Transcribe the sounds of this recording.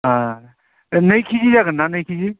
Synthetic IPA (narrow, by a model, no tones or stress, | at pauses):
ã | nəjkʰizizaɡənːanəjkʰid͡ʒi